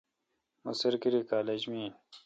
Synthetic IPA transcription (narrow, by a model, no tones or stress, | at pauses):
musɐɾkiɾikaːleːd͡ʑmiː